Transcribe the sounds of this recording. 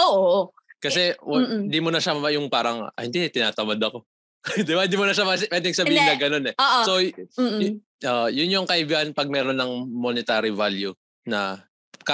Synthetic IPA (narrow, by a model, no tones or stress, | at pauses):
ʔoːʔo | kɐsɛwhɪnd̪imʊnɐʃɐmɐmɐjʊŋpaːɾɐŋ̰hɪnd̪it̪ɪnaːt̪ɐmad̪ɐko̞ | d̪ɪbahɪnd̪imonɐʃamɐspɛd̪ɪŋsɐbiːhɪnɐɡɐno̞nɛːʔso | oʔjʊnjoŋkɐʔɪbiʔɐnpɐɡ̚mɛːɾonɐŋmonɪt̪aːɾɪvalju | nɐ | k